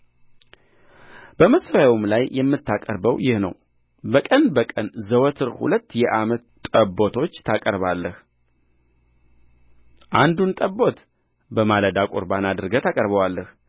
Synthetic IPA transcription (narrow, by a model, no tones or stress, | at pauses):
b̥əməsfawumlajjɛmːɨt̪ːakʼəɾbəwjɪhnə̰w | bəkʼənbəkʼənzəwət̪ʰɨɾhṵlət̪ːjɛʔamət̪ːʼəbːo̞t̪ʰo̞t͡ʃːt̪ʰakʼəɾbalːəh | ʔand̪unt̪ʼəbːo̞t̪ | bəmaləd̪akʼoɾbanad̪ɨɾɨɡət̪ʰakʼəɾbəwalːəh